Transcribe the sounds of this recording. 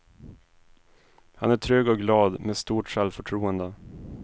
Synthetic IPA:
hanæʈʰɾøːɡɔk̚ɡlɑːd̪meːst̪uːʈʂɛlfœʈʰɾuːənd̪ə

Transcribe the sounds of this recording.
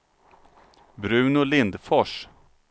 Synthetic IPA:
bɾʉ̟ːnʊlɪnd̪fɔʂ

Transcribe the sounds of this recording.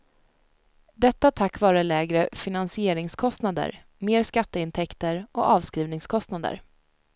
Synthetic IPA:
d̪ɛt̪ːat̪ʰakːvɑːɾəlɛːɡɾəfɪnansɪeːɾɪŋskʰɔst̪nad̪ə̰ɾ | meːɾskat̪ːəɪnt̪ʰɛkt̪əɾʔɔʔɑːvskɾiːvnɪŋskʰɔst̪nad̪ə̰ɾ

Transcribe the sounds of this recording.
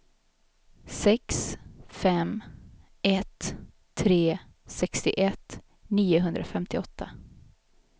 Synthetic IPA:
sɛksfɛm | ɛt̪ʰː | ɾeː | sɛkst̪ɪʔɛt̪ | niːʊɦɵnd̪ɾafɛmt̪ʰɪɔt̪ʰːa

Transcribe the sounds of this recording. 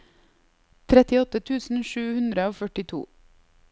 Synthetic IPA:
t̪ʰɾɛt̪ɪɔt̪ət̪ʰʉːsn̩ʃʉːhʉnd̪ɾəoːfœʈɪt̪ʰṵː

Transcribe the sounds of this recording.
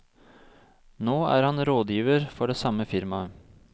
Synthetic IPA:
noːæ̰ːɾhɑnɾoːd̪jiːʋəɾfɔɖeːsɑməfɪɾmɑ

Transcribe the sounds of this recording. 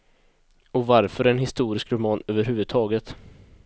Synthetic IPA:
ɔvaɾfœɾɛnhɪst̪uːɾɪskɾʊmɑːnøːvəɾɦʉːvɵd̪̚t̪ʰɑːɡət̪

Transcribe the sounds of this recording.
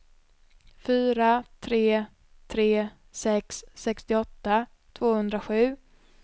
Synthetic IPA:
fyːɾat̪ʰɾeː | t̪ʰɾeː | sɛkssɛkst̪ɪɔt̪ːa | t̪ʰvoːhɵnd̪ɾaɧʉ̟ː

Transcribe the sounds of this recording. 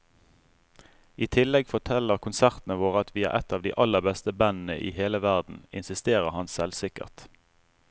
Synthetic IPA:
iːt̪ʰɪlɛɡfɔʁt̪ʰɛləʁkʰʊnsæʁt̪n̩əʋoːʁəɑt̪ʰʋiːɑ̰ʔɛt̪ɑːʋd̪ḭːʔɑləʁbɛst̪əbɛnn̩əʔḭːheːləʋæʁd̪n̩ɪ̰nsɪst̪eːʁəhɑnsɛlsɪkə̰ʁt̪

